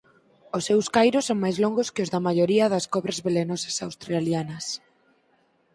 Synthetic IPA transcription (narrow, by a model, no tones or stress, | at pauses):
ʊsːewskajɾʊsːoŋmajzloŋɡʊskɪʊzðɐmaʎoɾiɐðɐskɔβɾɐzβelenosɐsawst̪ɾaljanɐs